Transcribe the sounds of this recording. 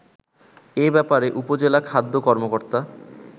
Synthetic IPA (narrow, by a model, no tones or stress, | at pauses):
ebɛpaɾeʔupod͡ʑelakʰad̪ʱːokɔɾmokoɾt̪a